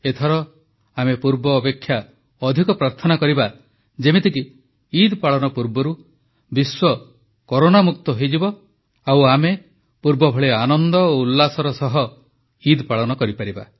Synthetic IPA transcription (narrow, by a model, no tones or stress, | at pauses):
et̪ʰɔɾɔ | amepuɾbɔːpekʰːja | ɔd̪ʱikɔpɾaɾt̪ʰɔnakɔɾiba | d͡ʒemet̪ikiː | d̪paɭɔnɔpuɾbɔɾu | biswɔ | kɔɾonamuk̚t̪ɔɦejd͡ʒibɔ | awame | puɾbɔbʱɔɭeanɔnd̪ɔoulːasɔɾɔsɔɦɔ | id̪paɭɔnɔkɔɾipaɾiba̰